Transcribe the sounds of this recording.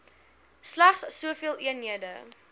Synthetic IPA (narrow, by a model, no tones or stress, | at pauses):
slæχsːuəfiəlˠʔiənɦiədə